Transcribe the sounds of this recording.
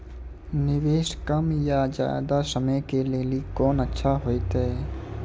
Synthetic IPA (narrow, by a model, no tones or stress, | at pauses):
nɪweːʃkəmjad͡ʒa̰ːd̪asɐmẽkeleːlikɔːnətːʃʰaɦoːit̪ɦɛː